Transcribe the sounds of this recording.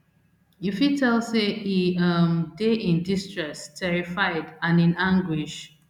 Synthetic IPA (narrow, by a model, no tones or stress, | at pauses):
jufitʰɛlseiʌmdeʔĩndistɹɛstʰɛɹifaɪdãnĩnãŋɡwiʃ